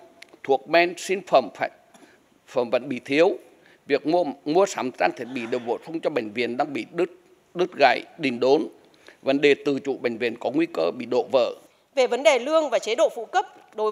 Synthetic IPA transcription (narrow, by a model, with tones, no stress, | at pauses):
t̪ʰu˨˩ək̚mɛ˧nsi˧nfə˧˩mfaː˧˩j | fə˧˩mvə̰˧˨˩jɓḭ˧˨t̪ʰi˨˦əw | vi˨˩ək̚mu˧əmu˧əsaː˨˦mt͡ɕaː˧ŋt̪ʰi˦˥ət̚ɓḭ˧˨ɗe˨˩wvo̰˧˩sʰə˧wŋ͡mt͡ɕɔ˧ɓë˧˩ŋ̟vḭ˧˨ənɗaː˧ŋɓḭ˧˨ɗɨ˦˥t̚ | ɗɨ˦˥t̚ɣa̰˧˩jɗï˨˩ŋ̟ɗo˨˦n | və˨˦nɗe˨˩t̪ɨ˨˩t͡ɕṵ˧˨ɓä˨˧˩jŋ̟vḭ˧˩ənkɔ˨˦ŋwi˧kəː˧ɓḭ˧˨ɗo̰˧˨və̰ː˧˩ | ve˨˩və˨˦nɗe˨˩lɨ˧əŋvaː˨˩t͡ɕe˨˦ɗo̰˧˨fṵ˧˥˨kə˦˥p̚ | ɗo˨˦